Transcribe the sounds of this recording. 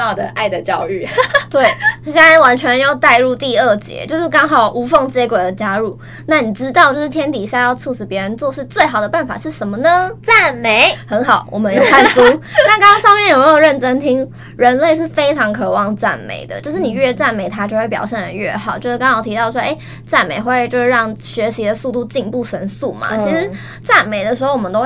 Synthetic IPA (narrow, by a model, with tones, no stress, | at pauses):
ɑ˥˧˩d̪ə̰˩ʔa˥˩ɪd̪ə˩t͡ɕjɑ˥˧ʊy˥˩t̪we˥˩ɪ˥ɕjnwa˧˥nt͡ɕʰɥɛ˧˥njo˥˧ʊt̪a˥˧ɪɻu˥˧t̪i˥˧ə˥˩t͡ɕjɛ̰˧˥t͡ɕjo˥˧ʊʂɻ̩˥˩kɑ˥ŋɦɑ˨˩ʊʔu˧˥fɤ˥˩ŋt͡ɕjɛ˧˥kwe˨˩d̪ə˦t͡ɕja˥ɻu˥˩ | na˥˩ni˨˩ʈ͡ʂɻ̩˥t̪ɑ˥˧ʊt͡ɕjo˥˧ʂɻ̩˥˩t̪ʰjɛ˥nt̪i˨˩˨ɕja˥˧jɑ˥˧ʊt͡sʰu˥˧ʂɻ̩˨˩pjɛ˧˥ɻə˧˦nt͡swɔ˥˧ʂɻ̩˥˧t͡swe˥˩ɪxɑ˨˩ʊd̪ə˩pa˥˩nfa̰˨˩ʂɻ̩˥˩ʂə˧˥nmə˧nə˦t͡sa˥˩nme˧˥ɪxə˧˥nxɑ˨˩˦ʊwʔɔ̰˨˩mə˧˦njo˥˧ʊkʰa˥˩nsu˥na˥˩kɑ˥ŋɑ˥ŋʂɑ˥˧ŋmjnjo˨˩me˧˥jo˨˩ɻə˥˩nʈ͡ʂə˥ŋt̪ʰi˥ŋ | ɻə˧˥nle˥˧ɪʂɻ̩˥˩fe˥ɪʈ͡ʂʰɑ˧˥ŋkʰɤ˨˩wɑ˥˧ŋt͡sa̰˥˩nmḛ˨˩˦ɪd̪ə̰˦t͡ɕjo˥˧ʂɻ̩˥˩ni˨˩ɥɛ˥˧t͡sa˥˩nme˨˧˩ɪt̪ʰa˥t͡ɕjo˥˧xwe˥˩pjɑ̰˨˩ʊɕjɛ˥˩nə˨˩ɥɛ˥˩xɑ˨˩˦ʊt͡ɕjo˥˧ʊʂ̩˥˧kɑ˥ŋ˥˨˩t̪ʰi˧t̪ɑ˥˩ʊʂwɔ˥ʔe˥˩ | t͡sa˥˩nme˨˩ɪxwe˥˧ɪt͡ɕjo˥˧ʊʂ̩˥˧ɻɑ˥˩ŋɕɥɛ˧˥ɕi˧˥d̪ə˧su˥˧t̪u˥˧t͡ɕi˥˧ŋnpu˥˩ʂə˧˥nsu˥˩ma̰˩t͡ɕʰi˧˥ʂɻ̩˧˥˦ | t͡sa˥˩nme˨˩ɪd̪ə˩ʂɻ̩˧˥o˩ʊwɔ˨˩ə˦t̪w